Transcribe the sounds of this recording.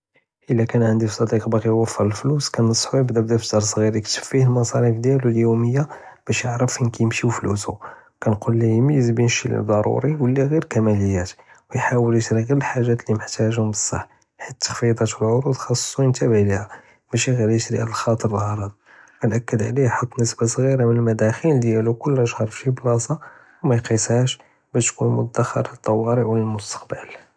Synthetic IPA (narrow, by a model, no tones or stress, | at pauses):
ʔəlːækænʕənd̪ifsˤɑd̪iqbɑɣiwəfːəɾˤəlfluskænːəsˤħujəbd̪æbd̪æft̪ːɑɾˤsˤɣiɾikt̪ə̥fːihəlmɑsˤɑɾifd̪jæluljuməjːa | b̥æʃjəʕɾəfʔənkijəmʃiwflusukænqulːijəmjəzbinʃilə̰d̪ˤɑɾˤṵɾiwəlːiɣiɾkæmæləjːæt̪ | wəjħawəljəʃɾiɣiləlħaʒːæt̪liməħt̪æʒhʊmbəsˤːɑ̰ħ | ħit̪ːə̥xfid̪ˤɑt̪əlʕʊɾud̪xɑsˤːsujənt̪æbilihæ | bæʃiɣæɾiʃɾḭʔælxɑt̪ˤəɾbəlʕɑɾˤɑd̪̚ˤ | kænʔækːəd̪ʕliħot̪ˤːnəsbasˤɣiɾamənəlmæd̪æxild̪jælukʊlːəʃhɑɾˤfʃiblɑsɑ | wmæjqishæʃ | bæʃt̪kunmʊd̪ːæxɑ̰ɾˤlət̪ˤːɑwɑɾəʕwləlmʊst̪ɑ̥qbəl